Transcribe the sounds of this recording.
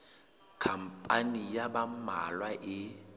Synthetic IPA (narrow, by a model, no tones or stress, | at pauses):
kʰampʼanijabamalwaʔɪ